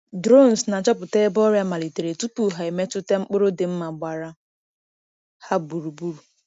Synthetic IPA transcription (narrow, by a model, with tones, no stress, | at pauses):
dɾo˦˨n˨sna˨t͡ʃɔ˦pʊ˨te˦bɔ˦ɾja˦ma˨li˨te˨ɾe˨tu˦tu˨ɦa˨e˨me˦tʊ˦te˦ŋ͡m̩˦k͡pʊ˦ɾo˦dɪ˨m̩˦ma˨ɡ͡ba˨ɾa˦ | ha˦bu˨ɾu˨bu˦ɾu˨